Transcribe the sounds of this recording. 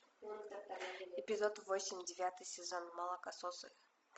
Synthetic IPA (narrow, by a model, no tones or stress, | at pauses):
ɪpʲɪzot̪vosʲɪmʲdʲɪvʲat̪ɨjsʲɪzonmɐlˠəkɐsosɨ̰